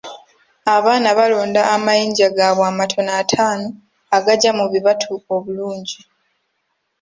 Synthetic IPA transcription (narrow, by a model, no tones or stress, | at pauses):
aβaːnaβalo̞ːndaːmajiːɲɟaɡaβwaːmatʰo̞natʰaːno | aɡaɟamuβiβatʰuoβuluːɲɟi